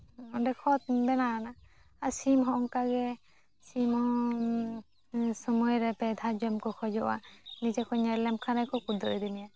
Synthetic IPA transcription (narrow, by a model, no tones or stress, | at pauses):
ɔndɛkʰɔt̪̚bɛnaana | asimɦɔʔɔŋkaɡɛ | simhɔ | sɔmɔjɾɛpɛd̪ʱad͡ʒɔmkɔkʰɔd͡ʒɔʔwa̰nid͡ʒakʰɔɲɛɾlɛmkʰanajkʰɔkud̪ɔɔjd̪ɛmija